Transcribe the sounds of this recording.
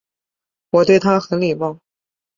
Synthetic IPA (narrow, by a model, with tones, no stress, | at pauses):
wɔ˨˩t̪we˥˩ɪt̪ʰa˥xə˧˥nli˨˩mɑ˥˩ŋ